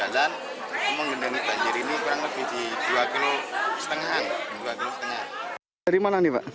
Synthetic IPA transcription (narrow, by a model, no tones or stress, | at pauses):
alan | məŋɡənənib̥a̤ɲd͡ʒəɾinikuɾaŋləb̥ihd̪̥id̪̥uakilosə̥t̪əŋɦand̪uakilost̪əŋan | aɾimananiwa̰ʔ